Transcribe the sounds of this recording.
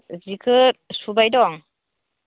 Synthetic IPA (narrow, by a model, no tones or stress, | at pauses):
zikʰɯsubajdɔŋ